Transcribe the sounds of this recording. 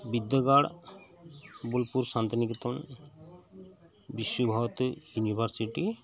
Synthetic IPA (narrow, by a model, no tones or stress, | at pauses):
bid̪ːɔɡaɽ | bulpuɾsant̪inikit̪ɔn | biʃːubʱat̪junibʱaɾsiʈi